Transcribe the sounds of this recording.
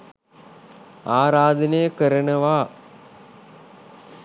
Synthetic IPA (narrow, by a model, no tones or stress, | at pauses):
aːɾaːd̪ənejəkəɾənəʋaː